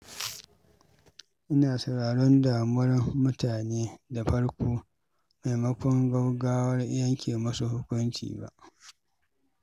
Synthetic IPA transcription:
ʔɪ˦naː˨sɐ˨ɽaː˨ɽɔ˦ndaː˨mʊ˦wɐ˦rmʊ˦tʰaː˨neː˦da˨ɸɐ˦ɽkʷoː˦ | ma˨jmɐ˦kʷɔ˦ŋɡɐ˦wɡaː˦wɐ˦rʔɪ˦jɐ˦ŋkʲeː˨mɐ˦su˨hʊ˦kʷʊ˦nt͡ʃḭː˨ba̰˨ʔ

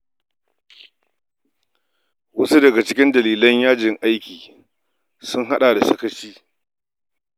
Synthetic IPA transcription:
wɐ˦su˦dɐ˨ɡa˨t͡ʃɪ˦kʲɪ˦ndɐ˨liː˨lɐ˦ɲjaː˦d͡ʒɪ˨ŋʔa˦jkʲiː˨ | sʊ˦ŋɦa˦ɗaː˨da˨sɐ˦kɐ˦t͡ʃiː˦

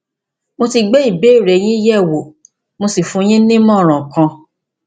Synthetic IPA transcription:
mo˧ti˧ɡ͡be˦i˦˨be˦˨ɾɛ˨j̃ĩ˦jɛ˦˨wo˨ | mo˧si˨fũ˧˦j̃ĩ˦nĩ˦mɔ̃˦˨ɾ̃ã˨kã˧

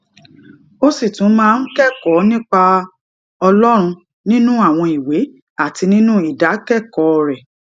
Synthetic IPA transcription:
o˦si˦˨tũ˨˦mãː˦˧n̩˦kɛ˦˨kɔ˨˦nĩ˦k͡pa˧ | ɔ˧lɔ˦ɾ̃ũ˧ | nĩ˦nũ˦a˦˨w̃ɔ̃˧i˨we˨˦ | a˦˨ti˧nĩ˦nũ˦i˦˨da˨˦kɛ˦˨kɔ˨˦˧ɾɛ˨

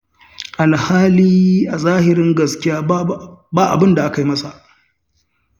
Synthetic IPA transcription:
ʔa˨lhaː˦liː˦ʔa˨zaː˦hɪ˨ɾɪ˦ŋɡɐ˨skʲɪ˦jaː˦baː˦ʔa̰˨bɪ˦nda˨ʔa˦ka˨ji˦mɐ˦sa˨ʔ

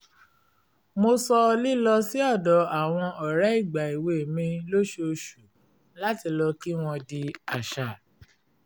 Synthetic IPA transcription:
mo˧sɔ˧li˦lɔ˧si˦ɔ˦˨dɔ˨a˨w̃ɔ̃˧ɔ˨ɾɛ˨˦i˦˨ɡ͡ba˨i˨we˧˨mĩ˧lo˦ʃo˧ʃu˨˦ | la˦ti˧lɔ˧ki˦w̃ɔ̃˧di˧a˨ʃa˨

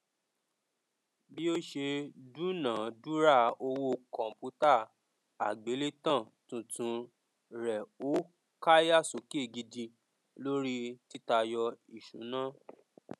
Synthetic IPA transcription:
bi˦o˦ʃe˧dũ˦nãː˨du˦ɾa˦˨o˧wo˦kɔ̃˨m̩˨pu˨˦ta˦˨ | a̰˨ɡ͡be˨˦le˦tã˦˨ | tũ˨tũ˧ | ɾɛ˨o˦ | ka˦ja˦˨so˨˦ke˦˨ɡi˧dĩ˧ | lo˦ɾi˦ti˦ta˧jɔ˧i˨ʃṵ̃˨˦nãː˦

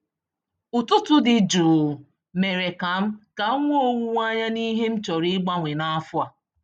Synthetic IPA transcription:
ʊ˨tʊ˦tʊ˦dɪ˨d͡ʒuː˨ | me˨ɾe˨ka˨m̩˦ka˨˦ŋʷ˦o˦wu˦ŋʷ˦a˦ɲa˦ni˦ɦe˦m̩˦t͡ʃɔ˨ɾi˦ɡ͡ba˦ŋʷe˨na˦fʊ˦a˨

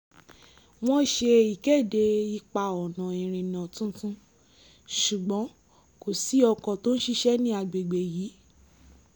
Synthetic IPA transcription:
w̃ɔ̃˦˨ʃe˧i˨kɛ˦˨de˧i˧k͡pa˧ɔ˨nã˨ĩ˨ɾ̃ĩ˨nã˨tũ˦tũ˦ | ʃu˨ɡ͡bɔ̃˨˦ | ko˨si˨˦ɔ˧kɔ̃˨to˦n̩˦ʃi˦˧ʃɛ˦nĩ˦a˧˨ɡ͡be˨ɡ͡be˨ji˨˦

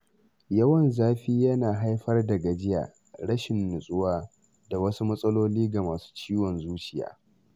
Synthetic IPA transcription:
jɐ˦wɐ˨nzaː˦ɸiː˦jɐ˦naː˨ɦa˦jɸɐ˦rdɐ˨ɡa˨d͡ʒɪ˦ja̰ː˨ | ɽɐ˦ʃɪ˨nːʊ˨sʼʊ˦waː˦ | da˨wɐ˦su˦mɐ˦sʼɐ˦loː˦liː˦ɡa˨maː˨su̥ː˦t͡ʃiː˦wɔ˨nzuː˦t͡ʃɪ˨ja̰ː˨˦

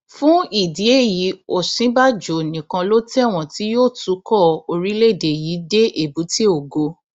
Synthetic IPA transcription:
fũ˦i˦˨di˨˦e˦˨ji˨˦o˦˨sĩ˨˦ba˦d͡ʒo˨nĩ˨kã˧lo˦tɛ˦˨w̃ɔ̃˨ti˦joː˦˨tu˨˦kɔ˦˨o˧ɾi˦le˦˨de˨ji˨˦de˦ʔe˨bu˨˦ti˦o˨ɡo˧

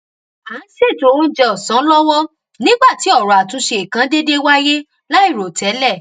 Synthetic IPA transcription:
aː˨˦ʃe˦˨to˨˦wo˦d͡ʒɛ˧ɔ˨sã˨˦lɔ˦w̃ɔ̃˦ | nĩ˦ɡ͡ba˦˨ti˨˦ɔ˦˨ɾɔ˨a˨tũ˧˦ʃe˧i˨kã˨˧˦de˦de˦wa˦je˦ | la˦i˦˨ɾo˨tʰɛ˨˦lɛ˦˨

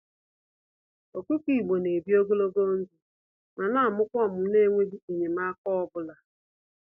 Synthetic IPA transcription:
o˨ku˦ki˨ɡ͡bo˨ne˨bi˦o˦ɡo˦lo˦ɡo˦n̩˦di˨ | ma˨na˦a˨mʊ˦kʷɔ˦˨mʊ˨˦ne˦˨ŋʷe˦di˦e˨ɲe˨ma˦kɔ˦ɔ˦bʊ˦la˨

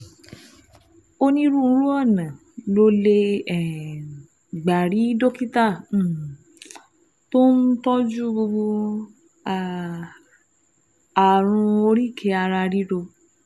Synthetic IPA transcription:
o˦nĩ˧ɾũ˦˧˦ɾũ˦ɔ˦˨nã˨ | lo˦le˧ɛ˦˨ | ɡ͡ba˨ɾi˨˦do˦ki˦tã˦˨ | to˦n̩˦tɔ˦d͡ʒu˦ɡ͡bo˧ɡ͡bo˧ | a˧ | a˨ɾ̃ũ˧o˧ɾi˦˨kʰe˧˦a˧ɾa˧ɾi˦ɾo˧

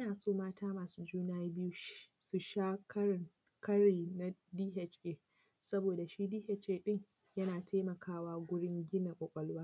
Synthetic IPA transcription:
ʔnaː˨soː˦˨maː˦tʰaː˦maː˨suː˦d͡ʒuː˦naː˦bɪ˦ju˦ʃsu˨ʃaː˦kɐ˦ɪ˦˨ŋ | kɐ˦ɽeː˨na˦diː˦ɦɛ˦t͡ʃʔeː˦˨ | sɐ˦boː˨da˨ʃiː˦diː˦hɛ˦t͡ʃʔeː˦ɗɪ˦ŋ | jɐ˦naː˨tʰa˦mɐ˨kʰaː˦waː˦ɡʷʊ˦ɽɪ˦ŋɡʲɪ˦na˨kʷʼɔ˨kʷʼɐ˦lwaː˦

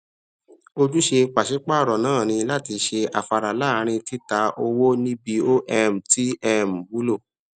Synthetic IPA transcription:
o˧d͡ʒu˦ʃe˧k͡pa˨ʃi˨˦k͡pa˦˨ɾɔ˨nãː˦˨ñĩ˧la˦ti˧ʃe˧a̰˨fa˧ɾa˨la˦ɾ̃ĩ˧ti˦ta˨˦ʔo˧wo˦nĩ˦bi˧o˦ʔɛ˦m̩˨ti˦ɛ˧m̩˨bu˨˦lo˦˨

